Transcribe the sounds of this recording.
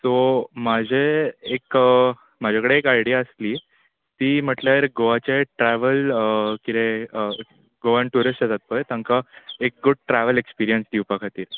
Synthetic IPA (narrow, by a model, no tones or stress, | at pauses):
somad͡ʑʱeːk | m̤ad͡ʑʱakəɽeːkajɽijaəsliː | t̪iːm̤əʈlaɾɡoʋat͡ɕaʈɾɛʋəlkid̪ẽə | ɡoʋaɳʈuɾəsʈət̪at̪̚pəjt̪ãŋkaek̚ɡuɖ̚ʈɾɛʋəlekspiɾijənsd̪iwpakʰat̪iːɾ